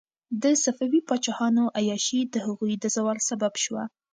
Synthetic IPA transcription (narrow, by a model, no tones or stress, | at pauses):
d̪əsafawipɑt͡ʃɑhɑnoʔajɑʃid̪əhaɣujd̪əzawɑlsababʃwa̰